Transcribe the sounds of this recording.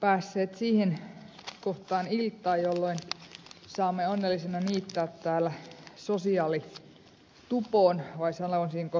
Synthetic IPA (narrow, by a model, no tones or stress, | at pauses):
pæːsːeːt̪siːhenkoht̪ɑːnilt̪ːˑɑːjjolːoinsɑːmːeonːelːisenɑniːt̪ːæːt̪t̪æːlːˑæsosiɑːli | t̪upoːnʋɑisɑlːonsiːŋko